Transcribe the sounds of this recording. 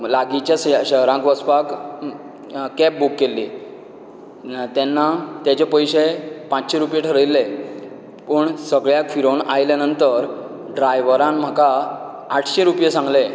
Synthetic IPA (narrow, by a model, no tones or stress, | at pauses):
laɡit͡ɕjasɕəɦɾãŋkʋəspak | kɛp̚bukːelːiː | t̪ɛnːat̪jat͡ɕepəjɕepãt͡ɕɕeɾupjeʈʰəɾəjlːe | pəɳsəɡɭjakfiɾoɳajljanənt̪əɾ | ɖɾajʋəɾãmm̤akaː | ʈʰɕeɾupjesãŋɡle